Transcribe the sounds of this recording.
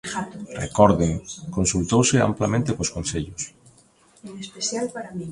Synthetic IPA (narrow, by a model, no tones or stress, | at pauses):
rḛkɔɾðɪŋkonsult̪owsɪa̰mplamẽnt̪ekoskonseʎʊs | neseθjalɾ